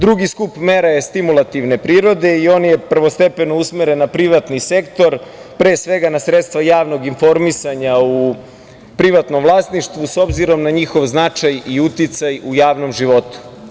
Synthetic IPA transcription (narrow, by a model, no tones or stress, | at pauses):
d̪ɾuɡiskupmeɾaje̞st̪imulˠat̪iʋne̞pɾiːɾo̞d̪e̞io̞ːnje̞pr̩ʋo̞st̪e̞penousmeɾenːapɾiʋat̪nise̞kt̪o̞ɾ | pɾeːsʋe̞ɡanasɾet̪st̪ʋajaːʋno̞ɡinfo̞ɾmisaɲau | pɾiʋat̪nomvlˠaːst̪niʃt̪ʋuso̞bziɾo̞mnaɲixo̞ʋznat͡ʃajiut̪it̪sajujaːʋno̞mʒiʋo̞t̪u̥